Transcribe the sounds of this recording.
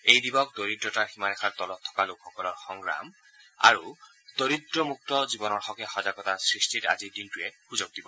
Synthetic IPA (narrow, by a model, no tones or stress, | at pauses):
ejdibɔk̚d̪oɹidɹɔtaɹximanɛxʰaɹt̪ɔlɔtʰːɔ̥kalokʰːɔkɔlɔɹxɔŋɡɹa̰m | a̰ɹu | d̪̥oɹidɹɔmuk̚tɔzibɔnɔɹxɔkɛxɔzaɡɔtasɹistʰita̰zidintʊɛxuzoɡ̚dibɔ